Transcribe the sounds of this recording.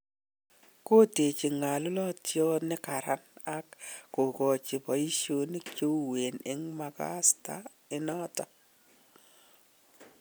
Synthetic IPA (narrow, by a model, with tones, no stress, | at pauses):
ko˦te˨t͡ʃi˨ŋa˨lʊ˦lɔ˦tjɔ˦nɪ˦ka˨ɾa˦na˦kːo˨kɔ˨t͡ʃi˨pɔ˨i˦ʃo˦ni˦kt͡ʃo˦we˨nɪ̰˦ŋma˨ka̰˦sta̰˦ | ɪ˦nɔ˦tɔ˦